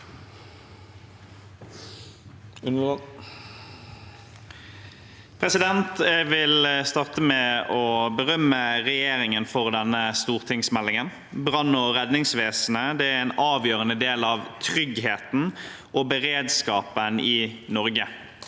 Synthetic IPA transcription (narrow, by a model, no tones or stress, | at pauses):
pʰʁɛsɪd̪ɛnt̪ʋɪlst̪ɑʁt̪əmɛɔbəʁœmːəʁɛjeːʁɪŋənfɔʁd̪ɛnːəst̪uːʁt̪ʰɪŋsmɛlːɪŋən | bʁɑnːɔʁɛd̪nɪŋsʋeːsn̩əd̪ɛːæɾeːnɑːʋjøːʁənəd̪eːlɑːʋt̪ʰʁʏɡɦeːt̪n̩ | ʔoːbəʁeːd̪skɑːpənɪnɔʁɡə